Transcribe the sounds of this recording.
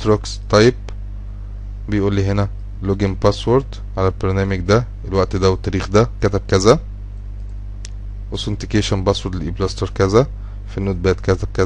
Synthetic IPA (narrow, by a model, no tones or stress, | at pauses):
t̪ɾokst̪ˤːɑjeb̚ | bejʔuːlːiɦenæ | loɡembæswoɾd̪ | ʕalælbeɾnæːmeɡd̪æ | elwæʔt̪d̪æwet̪ˤːæɾiːxd̪ækæt̪æb̚kæzæ | wesont̪ikeːʃænbæswoɾd̪ʔiblɑst̪oɾˤkæzæ | finːoːd̪̚bæːt̪kæt̪æb̚kæ